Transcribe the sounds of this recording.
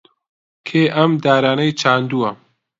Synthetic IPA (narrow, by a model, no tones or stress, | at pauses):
kʰeːʔɐmd̪aːɾaːnɐjt͡ʃʰaːnd̪uɐ